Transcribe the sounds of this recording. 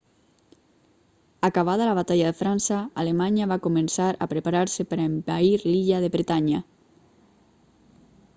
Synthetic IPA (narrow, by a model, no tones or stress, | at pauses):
akaβ̞aðalaβ̞at̪aʎaðefɾansaalemaɲaβakumensaɾʔa̰pɾepaɾaɾsəpəɾembaiɾliʎaðeβɾet̪aɲa